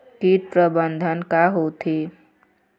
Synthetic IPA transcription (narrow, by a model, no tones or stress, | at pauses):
ʈiʈ̚pɾəbənd̪ʱənkaɦot̪ʰe